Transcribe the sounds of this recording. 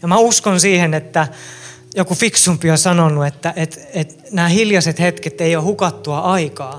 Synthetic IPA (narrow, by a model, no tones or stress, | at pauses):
jɑmæuskonsiːhenet̪ːæ | jokufiksumpiosɑnonːuet̪ːæʔet̪et̪ | næːhiljɑset̪het̪ket̪ːeiohukɑt̪ːuɑʔɑikɑː